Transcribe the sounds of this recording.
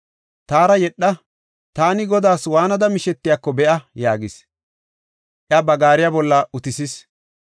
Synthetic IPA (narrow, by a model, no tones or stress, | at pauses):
t̪aːɾɐjɛɗːɐ | t̪aːnɪɡɔd̪aːswaːnɐd̪ɐmɪʃɛt̪ːɪjakːɔbɛʔɐjaːɡɪs | ʔɪɐbɐɡaːɾɪjabɔlːɐʊt̪ɪsɪs